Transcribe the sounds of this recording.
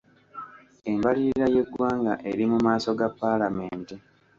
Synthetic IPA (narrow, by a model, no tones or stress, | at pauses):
e̞mbaliɾiɾaje̞ɡwaːŋɡaʔe̞ɾimumaːso̞ɡapːalame̞ːnte